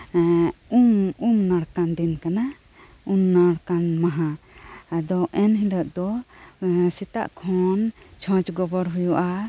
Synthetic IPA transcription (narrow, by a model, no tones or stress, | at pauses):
umumnaɽkand̪inkana | umnaɽkanmaɦãad̪ɔʔɛnɦiləʔ̪̚d̪ɔ | sit̪a̰ʔkʰɔ̃nt͡ʃʰɔ̃t͡ʃɡɔbɔɾɦujuʔa